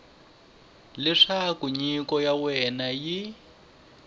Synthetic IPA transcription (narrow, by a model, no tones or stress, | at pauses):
lɛʂakuɲikɔjawɛnaji